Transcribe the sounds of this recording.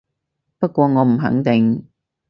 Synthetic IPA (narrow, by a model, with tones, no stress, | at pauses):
pɐ˥t̚kʷɔː˧ŋɔː˨˧m̩˨˩ɦɐ̰˨˥ŋt̪ɪ˨ŋ